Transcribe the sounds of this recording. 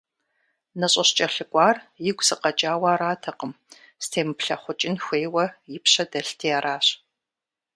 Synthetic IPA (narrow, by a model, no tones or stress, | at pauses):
nɐɕʼɐɕt͡ʃʼɐɬɨkʷʼɑːrjɪɡʷsɨqɐt͡ʃʼaːwaːɾaːtʰɐqəm | stʰeːmɨpɬɐχʷʊt͡ʃʼɪnxʷeːwɐjɪpɕɐdɐɬtʰijaːɾʔaːɕ